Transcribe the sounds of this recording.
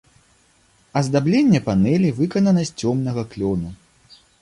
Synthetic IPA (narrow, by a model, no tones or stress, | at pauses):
ɐzd̪ablʲenʲːɛpanɛlʲivɨkɐnɐnɐsʲt͡sʲɔmnɐɣɐklʲɔnu